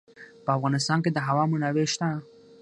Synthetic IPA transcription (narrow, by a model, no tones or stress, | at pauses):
pəafɣɑnɪs̬t̪ɑnked̪əɦawɑmʊnaweʃt̪a